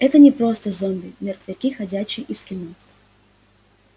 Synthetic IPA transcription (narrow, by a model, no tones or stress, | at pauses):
ɛt̪ənʲɪpɾost̪əzond̪ɨmʲɪrt̪vʲɪkʲixɐdʲæt͡ɕːɪjʔɪskʲɪnɔ